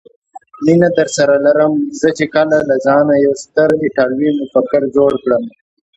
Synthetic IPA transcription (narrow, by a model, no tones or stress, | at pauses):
ninat̪əɾsɐɾalaɾəmzət͡ʃekalalazɑːnajawst̪əɾɪʈaːlwimʊfɐkɪɾd͡ʒoːɽkɽəm